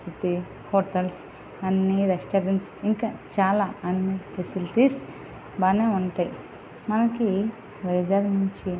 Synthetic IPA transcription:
it̪i | hoːʈɐls | ɐnːiɾesʈɐːɾɐɳʈsiŋkɐt͡ʃaːlaɐnːikesilʈis | baːneuɳʈ̪ɐj | mɐnɐki | ʋɐjd͡ʒaːɾmuɲt͡ʃi

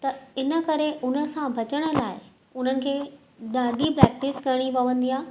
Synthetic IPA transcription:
t̪ɐɪnə̆kɐɾeʔʊnə̆sãbʱɐt͡ɕəɽ̃ə̆laːɪ | ʊn̤ənɪ̆kʰeː | ɗaːɖʱipɾɛːk̚ʈɪskɐɽ̃ipɐʋə̃nd̪iãː

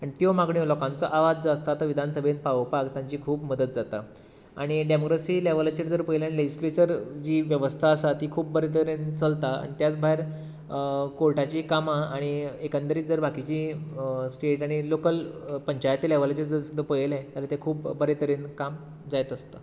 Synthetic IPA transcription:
aɳit̪jomaɡɳilɔkãnt͡səʔaʋad͡zd͡zaəst̪at̪əʋid̪ʱansəbʱenpaʋəpakt̪jãɲt͡ɕiːkʰuːbməd̪ət̪̚d͡zat̪a | a̰ɽ̃iɖemokɾəsiːleʋələt͡ɕiʈd͡zəɾpəjlaniled͡ʑislet͡ɕəɾd͡ʑiːʋjəʋəst̪ʰaəsat̪iːkʰuːp̚bəɾet̪̬əɾent͡səlt̪aa̰ɳ̃it̪jat͡sbʱaɦeɾ | koɭʈat͡ɕiːkamaaɽ̃iekant̪əɾiːt̪d͡zəɾbʱakit͡ɕiːsʈeʈaɽ̃ilokəlpəɲt͡ɕajt̪ileʋələt͡ɕiʈd͡zəɾsud̪ʱəɾpəjlɛ̃t̪jalat̪ekʰuːpbəɾet̪əɾenkam | d͡zajt̪əst̪a

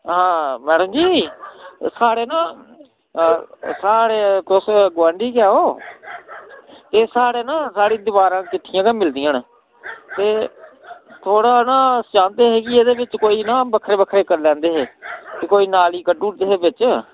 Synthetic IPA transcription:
ɦãːmɛːɽəmd͡ʒiː | saːɽeːnãː | saːɽeːt̪ʊsɡʋãːɳɖiːkɪaːoː | t̪eːsaːɽeːnãːsaːɽiːd̪ɪbaːɾãːkɪt̪ʰːɪjãːkemɪld̪ijãːn | t̪eː | t̪ʰoːɽaːnãːst͡ʃãːnd̪eːɦɛːɡieːd̪eːbɪt͡ʃkoːiːnãːbəkʰːɾeːbəkʰːɾeːkəɾlɛ̃ːnd̪eːɦeːkɪkoːiːnaːliːkəɖuːʈd̪eːɦeːbɪt͡ʃ

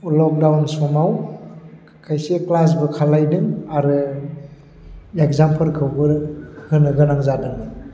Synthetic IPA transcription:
lɔk̚dawnsɔmaw | kʰajseklas̬bɯkʰalajdɯŋaɾɯ | ekzampʰɯlkʰɯwbɯɾhɯnɯɡɯnaŋzadɯŋɯ

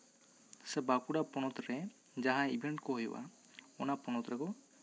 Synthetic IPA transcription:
sɛbakuɽapɔnɔt̪ɾɛ | d͡ʒaɦãibʱeɳʈkɔɦujṵwʔa̰ | ɔnapɔñɔt̪ɾɛkɔ

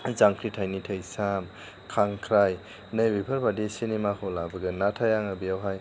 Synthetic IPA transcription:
zaŋkʰɾitʰajnitʰəjsam | kʰaŋkʰɾaj | nəjbipʰəɾbadisinemakʰɔlabɯɡɯnatʰajaŋabijawɦaj

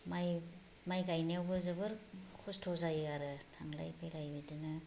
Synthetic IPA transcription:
maj | majɡajniawbɯzɯbɯɾkʰustʰozajaɾɯtʰaŋla̰jpʰajlajbidɯnɯ

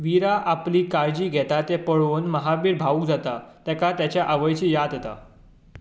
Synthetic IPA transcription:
ʋiɾaʔapliːkaɾd͡ʑiːɡʱɛt̪at̪epəɭonməɦabiːɾbʱaukd͡zat̪at̪ɛkat̪jat͡ɕjaʔəʋəjt͡ɕiːjad̪et̪a̰

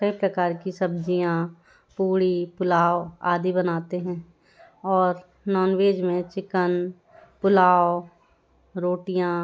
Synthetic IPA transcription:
epɾɐkaːɾkisɐb̚d͡ʒijã | puːɽipʊlaːoa̰ːd̪ibɐnaːt̪eɦɛ̃ː | ɔːɾ | nɔːnweːd͡ʒmẽt͡ʃɪkən | pʊlaːo | ɾoːʈijã

